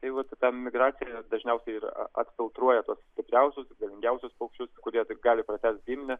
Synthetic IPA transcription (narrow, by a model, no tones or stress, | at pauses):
t̪ɐɪʋɐt̪t̪ɑːmʲɪɡɾɑːt͡s̪sʲɪjæd̪ɐʒʲnʲɛʊsʲɛɪɪɾ̰ɐ̰t̪ʲfʲɪlˠt̪ɾuɔjɛt̪uɔssʲt̪ʲɪpʲɾʲɛʊsʲʊsʲɪɡɐlʲɪŋʲɡʲɛʊsʲʊspɐʊkʃt͡ʃʲʊskʊɾʲiɛɡɑːlʲɪpɾɐt̪ʲæːst̪̚ɡʲiːmʲnʲɛ